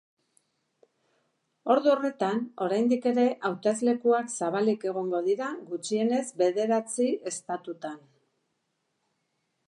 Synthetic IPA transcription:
o̞ɾðuo̞re̞t̪ano̞ɾajnd̪ike̞ɾe̞ʔawt̪ezle̞kuaksaβ̞alike̞ɣ̞o̞ŋɡo̞ðiɾaɣut͡ʃie̞ne̞zbe̞ðe̞ɾat͡sie̞st̪at̪ut̪an

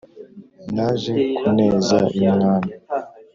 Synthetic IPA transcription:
naʒekʰuneːzaimŋaːna

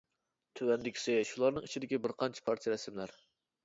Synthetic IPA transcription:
t̪ʰøwɛnd̪ɪkʲi̥sɪʃulˠɑɾnɨŋit͡ʃʰid̪ɪkʲibɪɾqʰɑnt͡ʃʰɛ̥pʰɑɾt̪ʰijaɾɛsɪmlæɾ

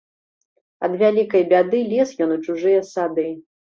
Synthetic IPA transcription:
ɐ̰d̪vʲalʲikɐjbʲad̪ɨlʲɛsjɔnut͡ʂuʐɨjɐsad̪ɨ

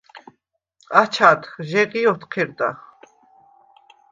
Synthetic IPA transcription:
at͡ʃʰat̪χʒɛʁiɔt̪qʰɛɾd̪a̰χ

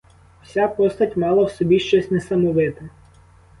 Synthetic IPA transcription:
w̥sʲapɔst̪ɐtʲmɑlˠɐwsɔbʲiʃt͡ʃɔsʲnɛsɐmʊʋɪt̪ɪ

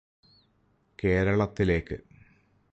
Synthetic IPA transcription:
ke̞ːɾɐɭɐt̪ːile̞ːkːɨ̰

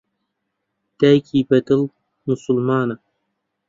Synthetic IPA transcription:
d̪̥æːjkʰiːbɐd̪ɨl | musulmaːnɐ

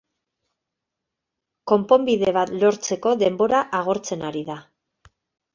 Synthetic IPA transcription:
ko̞mpo̞mbiðe̞β̞at̪lo̞ɾt͡se̞ko̞ðe̞mbo̞ɾaʔaɣ̞o̞ɾt͡se̞naɾiða

